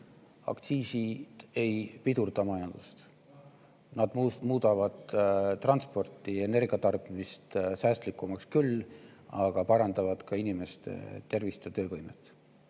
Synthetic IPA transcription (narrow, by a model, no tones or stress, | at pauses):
ɑ̰kt̪siːsi̥e̞jpid̪urd̪̥ɑmɑjɑnd̪̥ust̪ | nɑd̪̥muːd̪̥ɑvɑd̪t̪ːrɑnspo̞rt̪ːˑie̞ne̞rɡ̥iɑt̪ɑrb̥imist̪sæːst̪likˑːumɑkskylːɑɡ̥ɑpɑɾɑnd̪̥ɑvɑd̪̥kɑinime̞st̪ḛt̪e̞rvist̪et̪ø̞ːvɤjmet̪ːˑ